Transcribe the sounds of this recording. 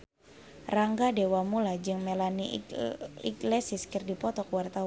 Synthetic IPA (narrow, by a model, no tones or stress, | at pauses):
raŋɡadewamulad͡ʒɨŋmelani | ḭɡlesɪskɨrdipɔt̪ɔkuwart̪a